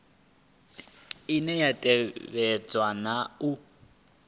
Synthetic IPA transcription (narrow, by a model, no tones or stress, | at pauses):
inɛjatʼɛβɛt͡swanau